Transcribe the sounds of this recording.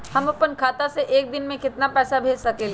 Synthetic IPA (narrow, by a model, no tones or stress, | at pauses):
hɐmʊpənkʰaːt̪aseʔeːk̚d̪ɪnmẽkɪt̪napɛːsabʱeːd͡ʒsɐkel